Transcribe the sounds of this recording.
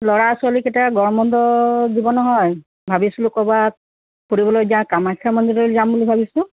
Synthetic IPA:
lɔɹasualiketiaɡɔɹmɔndɔdibɔnɔɦɔj | bʱabislʊkɔbat̚ | poɹibɔlojzãkamajkʰːamɔnd̪ilɔɹlzambulibʱabislʊ

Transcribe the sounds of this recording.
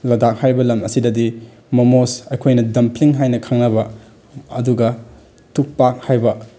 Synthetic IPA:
lɐdak̚hajbɐlɐmɐsidɐdi | mɐmosɐjkʰojnɐdɐmpʰliŋɦajnɐkʰɐŋnɐbɐ | ɐ̰duɡɐ | tuk̚pak̚hajbɐ

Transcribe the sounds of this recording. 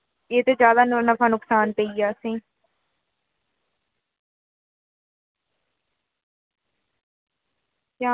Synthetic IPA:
eːt̪eːd͡ʒjaːd̪aːnʊɾnəpʰaːnʊksaːnpeiːaːsĩː | ãː

